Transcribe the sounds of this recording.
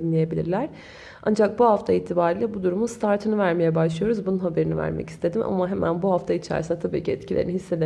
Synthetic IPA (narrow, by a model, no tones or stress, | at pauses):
nlʲijebilʲḭɾlʲæɾ̥ | a̰nd͡ʒak̚buɦaft̪ʰaiːt̪ʰibaːɾiːlʲɛbud̪uɾumust̪ʰaɾt̪ʰɯnɯvæɾmejɛbaʃlˠɯjo̞ɾuzbununhabeɾinivæ̰ɾmɛ̰ci̥st̪ʰe̞d̪imʔa̰maɦemʔæ̰nbuɦaft̪ʰait͡ʃʰæ̰ɾsinɛt̪ʰabḭːciɛ̰t̪cʰilʲeɾinihisːe̞d̪e